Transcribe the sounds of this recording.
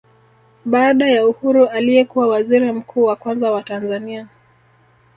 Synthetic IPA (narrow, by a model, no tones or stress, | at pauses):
ɓaːɗajauhuɾuʔalijɛkuwawaziɾim̩kʰuːwakwanzawatanzania